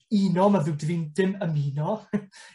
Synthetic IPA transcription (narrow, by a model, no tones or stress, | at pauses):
iːnɔmaðɪwdivindɪməmiːnɔ